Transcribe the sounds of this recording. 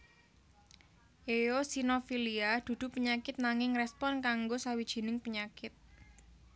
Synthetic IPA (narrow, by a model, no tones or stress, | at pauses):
ʔejosinofiliad̪̥ṳd̪̥ʊ̤pəɲakɪt̪̚naŋɪŋrɛspɔnkaŋɡosawid̥ʒ̥i̤nɪŋpəɲakɪt̪̚